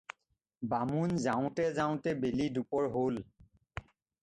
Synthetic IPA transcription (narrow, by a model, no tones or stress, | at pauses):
bamunzaʊ̃tɛzaʊ̃tɛbelidupɔɹɦol